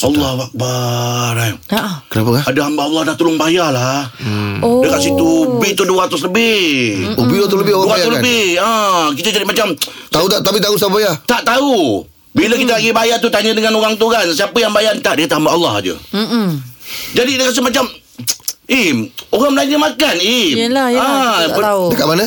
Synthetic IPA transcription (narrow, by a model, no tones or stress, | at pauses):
ɑlːɑhbak̚baɾakənapəkaadaɦambaʔːlːɑdat̪əlʊŋbajalah | dəkaʔsit̪ubiht̪uduəat̪ʊsləbɪhobijot̪uləbɪhoduat̪ʊsləbɪhəkit̪əd͡ʒadimat͡ʃam | t̪aut̪aʔt̪apit̪ausaabajat̪aʔt̪au | biləkit̪̬əlaɡibajat̪ut̪aɲədəŋanoɣaŋt̪ukansiapəjaŋbajant̪aʔdəkat̪əɦambaʔɑlːɑ̰hd͡ʒə̰ | d͡ʒadid̪əkas̬ɪmat͡ʃam | imoɣaŋmlaiɲəmakanilaaədəkaʔmanə